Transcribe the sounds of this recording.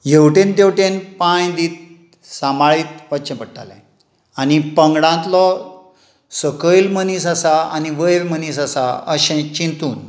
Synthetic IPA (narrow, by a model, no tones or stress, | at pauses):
jewʈẽnd̪ewʈenpãjd̪iːt̪̚ | samaɭiːt̪ʋəɕə̃pəɽʈa̰lã̰ | anipəŋɡɽãnt̪lɔ | səkəjlməniːsəsaa̰niʋəjɾmənisəsaəɕẽt͡ɕint̪uːn